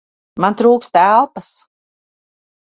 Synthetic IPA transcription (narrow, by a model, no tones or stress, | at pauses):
mant̪ɾuːkst̪ælˠpas